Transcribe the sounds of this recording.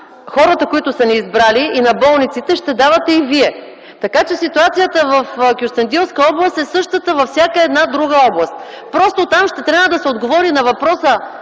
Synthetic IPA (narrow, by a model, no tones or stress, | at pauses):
xɔɾət̪əkoit̪ʊsɐniːzbɾaliinɐbɔlˠnit̪sit̪ɛʃt̪ɛd̪avɐt̪ɛiviɛ | t̪ɐkat͡ʃɛsit̪uat̪sijət̪əvɐfkʲjʊst̪ɐnd̪ilˠskəɔblˠəst̪ɛsɤʃt̪ət̪əvɐfsʲjakəɛd̪nad̪ɾuɡəɔblˠɐst̪ | pɾɔst̪ot̪amʃt̪ɛt̪ɾʲabvəd̪ɐsɛod̪ɡovɔɾinɐvɐpɾɔsə